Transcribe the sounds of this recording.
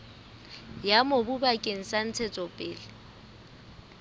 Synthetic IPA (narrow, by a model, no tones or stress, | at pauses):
jamobubakʼeŋ̩san̩t͡sʰɛt͡sʼɔpʼɪːlɪ